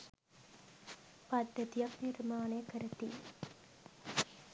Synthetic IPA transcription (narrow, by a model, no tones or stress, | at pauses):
pad̪ːət̪ijaknirmaːnəjəkəɾət̪ḭː